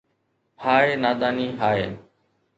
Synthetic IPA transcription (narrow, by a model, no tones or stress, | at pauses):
pʰaːeːnaːd̪aːniːɦaːḛː